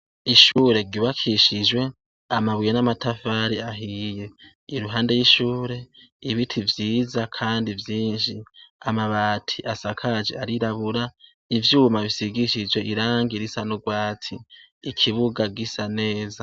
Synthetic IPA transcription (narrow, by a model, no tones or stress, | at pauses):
iʃuːɾe̞ɡiβakʰiʃid͡ʒwe̞ | amaβwijenamatʰafaːɾiaɦije̞ | iɾuɦaːnde̞jiʃuːɾe̞iβitʰivjiːzakʰaːndivjiːnʃiamaβaːtʰiʔasakʰad͡ʒeaɾiɾaβuɾa | ivjuːmaβisiɡiʃid͡ʒwe̞ʔiɾaːŋɡiɾisanuɡwaːt͡sʰiː | kʰiβuɡaɡisane̞ːza